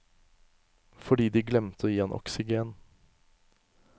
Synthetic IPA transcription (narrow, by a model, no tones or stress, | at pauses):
fɔɖiːd̪iːɡlɛmt̪ʰəoːjiːeːnʔɔ̰ksɪɡeːn